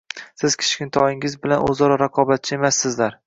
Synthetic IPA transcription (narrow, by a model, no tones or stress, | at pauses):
sɪz̥kʲʰɪ̥t͡ʃkʲɪnt̪ʰɒjɪŋɪzbɪlanʔɵ̰zɒɾɒɾaqʰɒbat̪̚t͡ʃʰɪe̞masːɪzlaɾ